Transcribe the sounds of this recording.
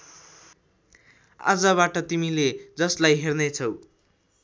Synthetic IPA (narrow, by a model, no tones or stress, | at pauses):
a̰d͡zʌbaʈʌt̪imiled͡zʌslajɦernet͡sʰʌw